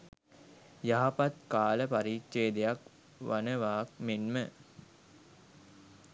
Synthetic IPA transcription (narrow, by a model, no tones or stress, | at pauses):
jaɦapat̪̚kaːləpaɾiːkʃeːd̪ejak | ʋanəʋaːk̚menmə